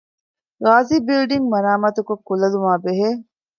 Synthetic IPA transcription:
ɾaːziːbilɖiŋmɐnaːmɐt̪ukokːulɐlumaːbeɦe

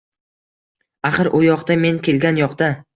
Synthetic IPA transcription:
aχɨɾʔʊjɒqd̪ame̞ŋkʲe̞lɡʲanjɒqd̪a

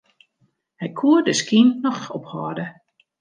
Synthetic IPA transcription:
hɛjkʰuədəskinːɔxɔphɔːdə

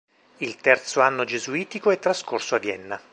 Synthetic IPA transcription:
ilt̪ɛrt̪soanːod͡ʒezuiːt̪ikoɛt̪ːɾaskorsoavjɛnːa

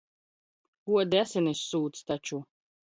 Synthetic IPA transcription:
kuɔd̪æsɛnʲisːuːt̪st̪at͡ʃu

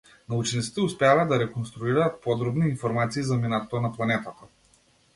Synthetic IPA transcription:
naut͡ʃnit̪si̥t̪ɛuspɛavaːd̪aɾɛkɔnst̪ɾuiɾaːt̪̚pɔd̪ɾɔbniːnfɔɾmat̪siːzaminat̪ɔt̪onaplˠanɛt̪at̪ḁ

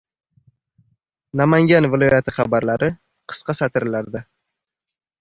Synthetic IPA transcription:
namaŋɡʲanvɪlˠɒjat̪ʰɪχɑbaɾlaɾʔɪ | qʰɨ̥sqʰɑsat̪ʰɪɾɪlaɾd̪ɪ

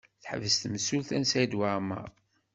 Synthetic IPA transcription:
θħə̰vəst̪məsulθænsæjd̪wama̰ʁ

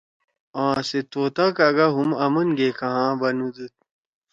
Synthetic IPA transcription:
ãːset̪oːt̪akaɡaɦumɐmɐnɡekɐɦãːbɐnud̪ut̪̚

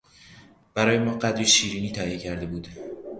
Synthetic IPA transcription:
b̥æɾɒːjemɒːɢæd̪ɾiʃiːɾiːniːt̪ʰæʔijecʰæɾd̪e̞buːd̪̥

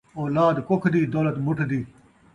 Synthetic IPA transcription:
oːlaːd̪kokʰd̪iːd̪oːlɐt̪mʊʈʰd̪iː

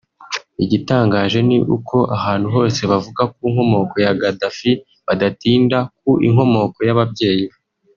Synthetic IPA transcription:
iɟitaːŋɡaːʒe̞niʔṵkʰo̞ʔaɦaːn̥huɦo̞ːse̞βavuɡak̚uiŋho̞mo̞ko̞jaɡadafi | βadatiːndak̚uʔḭŋɦo̞mo̞ko̞jaβabɟe̞ːji

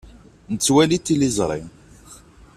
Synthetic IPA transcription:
nət͡sːwælit̪ːilizˤɾˤḭ

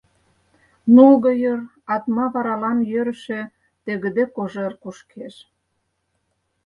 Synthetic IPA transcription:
nuɣɤ̆jə̆r | ɑt̪mɑβɑɾɑlɑnjøɾə̆ʃĕ | t̪eɣə̆d̪ĕkoʒĕrkuʃkʰeʃ

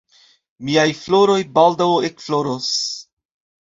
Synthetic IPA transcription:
miajfloɾo̞jbaldawekfloɾos

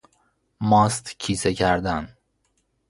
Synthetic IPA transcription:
mɒːst̪cʰiːsecʰæɾd̪æn

